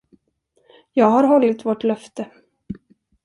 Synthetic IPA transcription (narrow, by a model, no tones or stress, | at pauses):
jɑːɡɦaɾɦɔlːɪt̪vɔʈlœft̪ə